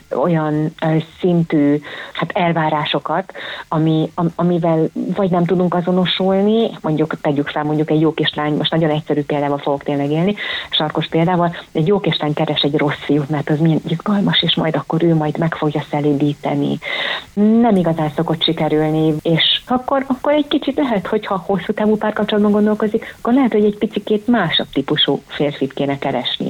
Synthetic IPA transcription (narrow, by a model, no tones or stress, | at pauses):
o̞̰jɒnsint̪yːhat̪ʰɛlvaːɾaːʃo̞kɒt̪ɒmiɒɒmivɛlvɒɟnɛmt̪ud̪uŋkɒzo̞no̞ʃulnimo̞ɲɟukt̪ɛɟykfɛlmo̞ɲɟukɛɟjoːkeːʃlaːɲmoʃt̪nɒɟo̞nɛcsɛɾyːpeːld̪aːvɒlfo̞ɡo̞kt̪eːnlɛɡeːlniʃɒrko̞ʃpeːld̪aːvɒlɛɟjoːkeʃt̪laːɲkɛɾɛʃɛɟro̞sːijut̪mɛrt̪ɒzmijɛnizɡɒlmɒʃeːʃmɒ̰jd̪ɒkːo̞ɾøːmɒjd̪mɛkfo̞ɡjɒsɛleːd̪iːt̪ɛnḭ | nɛmiɡɒzaːnso̞ko̞t̪ʃikɛɾylnieːʃɒkːo̞ɾɒkːo̞ɾɛɟ̥kit͡ʃit̪lɛɦɛt̪ho̞chɒho̞sːuːt̪aːvuːpaːrkɒpt͡ʃolɒd̪̚bɒŋɡo̞nd̪o̞lko̞zikɒ̥kːorlɛɦɛt̪ho̞ɟɛɟpit̪sikeːt̪maːʃok̚t̪ipuʃuːfeːrfiːt̪keːnɛkɛɾɛ̰ʃnḭ